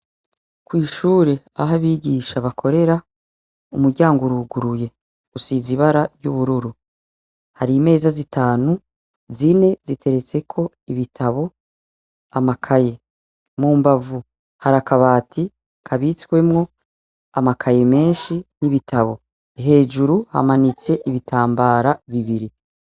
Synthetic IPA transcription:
kwiːʃuːɾe̞ | a̰ɦaβiːɟiːʃaβakʰo̞ɾe̞ɾa | umuɾɟaːŋɡuɾuɡuɾuje̞ | usiziβaɾaɟuβuɾuɾu | haɾime̞ːzazitaːnu | zine̞zitʰe̞ɾe̞t͡se̞kʰo̞ | iβitʰaβo̞ | amakʰaje̞ | muːmbavu | haɾakaβaːtʰi | kʰaβit͡skwe̞mŋo̞ | amakʰaje̞me̞ːʃiniβitʰaβo̞ | iɦe̞ːʒuɾuha̰manit͡se̞ʔiβitʰaːmbaːɾaβiβiɾi

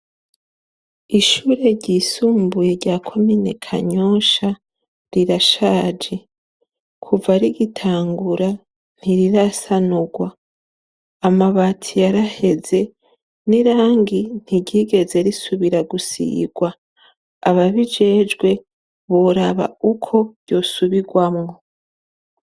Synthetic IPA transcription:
iʃuːɾe̞ɟisuːmbuje̞ɾɟaːkʰo̞mine̞̰kʰa̰ɲo̞ːʃa | ɾiɾaʃaːd͡ʒe̞ | kʰuvaɾiɡitʰaːŋɡuɾa | n̥iɾiɾasanuɡwaː | maβatʰijaɾahe̞ze̞ | niɾaːŋɡin̥hiɟiɡe̞ze̞ɾisuβiɾaɡusḭːɡ̥waː | βaβid͡ʒe̞ːd͡ʒɡwe̞ | βoɾaβa̰ukʰo̞̥ɟo̞ːsuβiɡwamŋo̞

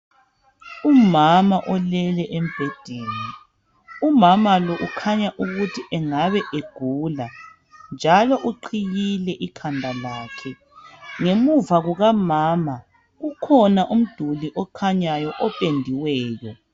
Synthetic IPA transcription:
umamaʔɔlɛlɛʔem̩b̥ʱed̥ʱeːni | umamalɔʔukʰaɲaʔuɣutʰiʔɛŋaβɛʔeɡ̥ʱuːla | nd͡ʒʱalɔʔuǃʰiɣilɛʔikʰandʱalaːkʰɛ | ŋemuvaɣuɣamaːma | ɣukʰɔnaʔum̩d̥ʱuliʔɔkʰaɲajɔʔɔpʼendʱiwɛːjɔ

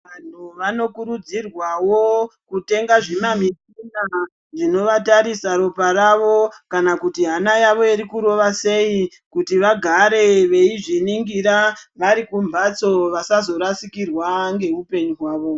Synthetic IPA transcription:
ʋan̤uʋano̞kuɾud͡zirwawo̞kute̞ŋɡaʐemamisina | ʐino̞ʋataɾisaɾo̞paɾaʋo̞kanakutiɦanajaʋo̞iɾikuɾo̞ʋase̞i | kutiʋaɡʱaɾe̞ʋe̞iʐiniŋɡiɾaʋaɾikumbat͡so̞ʋasazo̞ɾasikirwaŋɡe̞upe̞ɲuɦwaːʋo̞

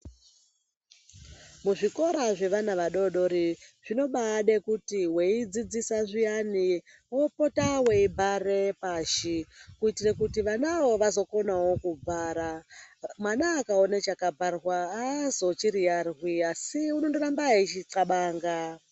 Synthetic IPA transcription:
muʐiko̞ɾaʐe̞ʋanaʋaɗo̞ɗo̞ɾiʐ̥ino̞ɓaɗekutiweid͡zid͡zisaʐijani | wopotaweibʱarepaːʃikuitirakutiʋanawo̞ʋazo̞ko̞nawo̞kub͡vaːɾamwanaːkaonet͡ʃakabʱarwaːzo̞t͡ʃiɾijarwiasiunondorambaet͡ʃiǁaɓaːŋɡa

